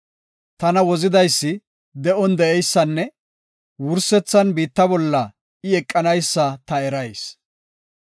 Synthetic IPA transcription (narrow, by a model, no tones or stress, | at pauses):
t̪ɐnɐwɔzɪd̪ɐjsːɪ | d̪ɛʔɔnd̪ɛɛjsːɐnːɛ | wʊɾsɛt͡sːɐnbiːt̪ːɐbɔlːɐ | ɪɛkʼːɐnɐjsːɐt̪ɐɛɾɐjs